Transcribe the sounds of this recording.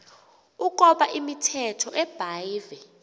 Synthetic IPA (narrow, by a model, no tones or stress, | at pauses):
uk̬ʼɔɓaʔimitʰɛtʰɔʔɛb̥ʱaivɛ